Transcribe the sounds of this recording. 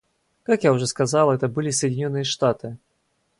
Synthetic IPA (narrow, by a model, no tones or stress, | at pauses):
kakjawʐɔskazalˠɛt̪ɐbɨlʲisɐjdʲd͡zʲinʲɔnːɨjɐʂt̪at̪ɨ